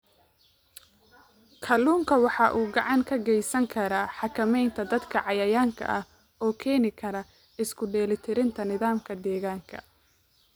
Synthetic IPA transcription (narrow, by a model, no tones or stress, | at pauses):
kʰɐluːŋkʰɐwɑħɑʔuːɡɑʕɑŋkʰɐɡɛjsɐŋkʰɐɾɐħɑkʰɐmɛjnt̪ʰɐd̪ɐd̪kʰɐʕɑjɐjaːŋkʰɐ̰ʔɐh | ɔːkʰɛːnɪkʰɐɾɐ | ɪskʰʊɖɛːlɪt̪ʰɪɾɪnt̪ʰɐnɪðaːmkʰɐd̪ɛːɣaːŋkʰɐ̰